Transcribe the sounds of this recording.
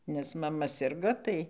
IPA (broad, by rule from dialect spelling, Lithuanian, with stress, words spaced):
ˈnʲɛs mɐˈmɐ ˈsʲɪrɡoː ˈtɐɪ